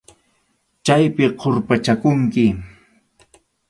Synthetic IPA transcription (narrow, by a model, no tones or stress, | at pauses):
t͡ʃajpɪqʰoɾpat͡ʃakʊŋkɪ